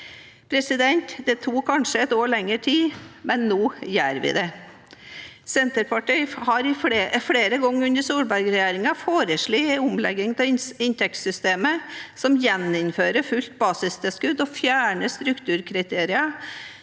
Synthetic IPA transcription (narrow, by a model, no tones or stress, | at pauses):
pʰɾɛsɪd̪ɛnt̪d̪ɛt̪ʰuːkʰɑnʂəɛt̪oːɭɛŋːəʈʰiːmɛnːoːjæːɾʋɪ̰d̪ɛ | sɛnt̪əɾpʰɑʈɪɪhɑɾɪfɽeːɾəɡɔŋːʉnd̪əsuːɾbæɾɡɾɛjeːɾɪŋɑfoːɾəʂɭiːʊmlɛɡːɪŋt̪ɛɪnt̪ɛkt̪sʏst̪eːməsɔmjɛnːɪnføːɾəfʉlt̪̚bɑːsɪst̪ʰɛskʉd̪ɔfjæːɳəst̪ɾʉkt̪ʰʉːɾkʰɾɪt̪ʰeːɾɪɑ